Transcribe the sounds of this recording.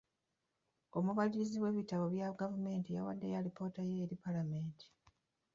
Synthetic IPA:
o̞muβaliɾiziβwe̞βitaβo̞βjaɡavume̞ːntija̰wadːe̞jaɾipo̞ːtajeːɾipalame̞ːntʰi̥

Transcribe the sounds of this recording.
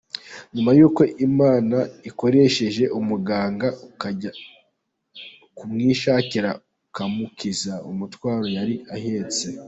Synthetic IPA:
ɲumajuːko̞ʔimaːnaiko̞ɾe̞ʃe̞ʒe̞ʔumuɡaːŋɡa | kumŋiːʃaːciɾa | ukamukʰizaumutwaːɾo̞jaɾiaheːt͡se

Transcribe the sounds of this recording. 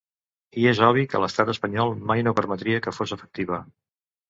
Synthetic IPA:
iezɔβ̞ikə̰ləst̪at̪əspəɲɔlˠmajnopəɾmət̪ɾiəkəfozəfə̥k̚t̪iβə

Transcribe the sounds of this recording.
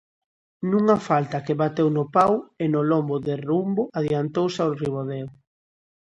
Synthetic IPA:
nuŋafalt̪akeβat̪ewnʊpawenʊlɔmbʊðerumboaðjant̪owsaoriβoðew

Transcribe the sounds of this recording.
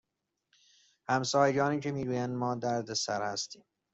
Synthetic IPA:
hæmsɒːjd͡ʒɒːniːt͡ʃʰemiːɡuːjænmɒːd̪æɾd̪esæɾhæst̪iːm

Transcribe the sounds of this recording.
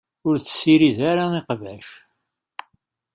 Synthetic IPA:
ʊɾθə̥sːiɾiðaɾaiqvæʃ

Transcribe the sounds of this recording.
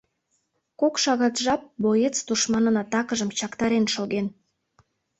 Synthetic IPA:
kokʃɑɣɑt̪ʒɑp̚bojet͡st̪uʃmɑnənɑt̪ɑkəʒəmt͡ɕɑkt̪ɑɾenʃoɣen

